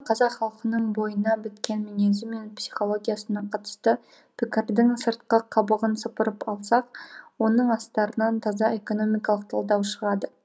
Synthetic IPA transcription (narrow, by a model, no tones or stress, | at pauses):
qʰɑzɑqχɑlˠqənəɴbo̞jənɑbɪt̪kʲe̞nminʲezɪmːe̞npsi̥χo̞lˠo̞ɡʲijasənɑqʰɑt̪ə̥st̪ə | pʰɪkʲɪɾd̪ɪŋsəɾt̪̚qɑqʰɑbəʁənsəpəɾəpɑlˠsɑq̚wo̞nəɴɑst̪ɑɾənɑnt̪ʰɑzɑe̞ko̞no̞mijkɑlˠəq̚t̪ʰɑlˠd̪ɑwʃəɾɑd̪ə